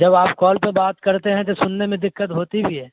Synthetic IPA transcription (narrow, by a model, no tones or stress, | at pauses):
d͡ʒɐbaːpkɔːlpebaːt̪kɐɾt̪eɦɛ̃t̪̬osʊnːemẽd̪ɪkːət̪ɦoːt̪ibʱiɦɛː